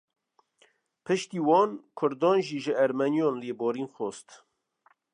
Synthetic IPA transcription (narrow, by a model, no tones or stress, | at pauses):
pʰɨʃt̪iːwɑːnkʰʊɾd̪ɑːnʒiːʒəæɾmɛnjɔːnleːbɔːɾiːnxoːst̪